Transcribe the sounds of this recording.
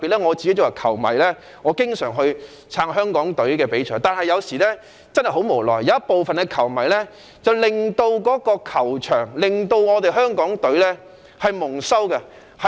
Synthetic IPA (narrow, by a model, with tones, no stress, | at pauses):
piː˨t̚lɛː˥ŋɔː˨˧t͡st͡ɕi˨ke˥jt͡sʊ˨˩ɐ˨˩kʰɐ˨˩wmɐ˨˩jlɛː˥ | ŋɔː˨˧kɪ˥ŋsœː˨˩ŋɦɵ˧ɥ | t͡sʰaː˧ŋɦœː˥ŋkɔː˨˥ŋt̪ɵ˨˥ɥkɛː˧pe˨˥jt͡ʃʰɔː˨˩ŋt̪aː˨nhɐ˨jːɐ˨˧wsiː˨˩lɛː˥ | t͡sɐ˥nhɐ˨˩jɦo˨˧˥wmo˨˩wlɔː˨jɐ˨˧wɐ˥po˨wfɐ˨nkɛː˧kʰɐ˨˩wmɐ˨˩jlɛː˥ | t͡sɐ˨wlɪ˨ŋt̪o˧wkɔː˨˥kɔː˧kʰɐ˨˩wt͡ʃʰœː˨˩ŋlɪ˨˩ŋt̪o˧wŋɔː˨˧t̪e˨jɦœː˥ŋkɔː˨˥ŋt̪ɵ˨˥ɥlɛː˥ | hɐ˨jmʊ˨˩ŋsɐ˥wkɐ˧ | hɐ˨